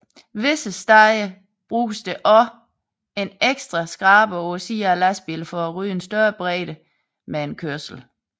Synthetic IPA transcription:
ʋe̝səsd̥ɑ̈ɪə | b̥ʁu̥ːsd̥əʔɒ̽ | e̝neɡ̥sd̥ʁɐsɡ̥ʁɑ̈ːb̥əosḭːælæsb̥ilfɒ̽æʁy̰ːensd̥ɶːɐb̥ʁɛ̰ːɾə | meenkʰøɐ̰sl̩

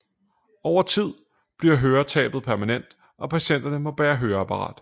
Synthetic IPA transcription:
ɒʊ̰ɐt͡sʰið̞̰ˠ | b̥liɐ̰ɦøːɐt͡sʰɛ̰ːb̥ð̩ˠpʰæɐmænen̰d̥ | ʔɒ̽pʰæɕen̰d̥ɐnəmɒ̽ʋæːɐɦøːɐæpʰɑ̈ʁɑ̰̈ːd̥

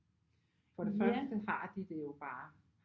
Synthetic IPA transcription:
fɒ̽ɾ̥e̝fɶɐsd̥əhɑ̈d̥id̥e̝jo̝b̥ɑ̈ː

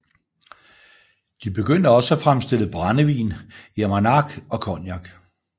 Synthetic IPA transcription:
d̥ib̥e̝ɡ̥øn̰d̥əɒ̽səæfʁamsd̥e̝l̰əb̥ʁanəʋḭːnemænɑɡ̥ɒ̽kʰɒnjɑ̈ɡ̥

